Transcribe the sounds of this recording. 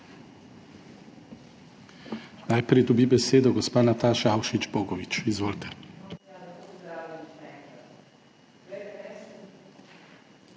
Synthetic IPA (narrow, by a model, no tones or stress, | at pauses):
najpɾɛjd̪ɔbibɛseːd̪ɔɡɔspaːnat̪aːʃaawʃit͡ʃboːɡɔʋit͡ʃizʋoːlt̪ʰɛ̥